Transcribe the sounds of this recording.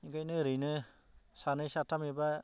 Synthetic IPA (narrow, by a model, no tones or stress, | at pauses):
iɡajnɯɾɯjnɯ | sanɯjsatʰamiba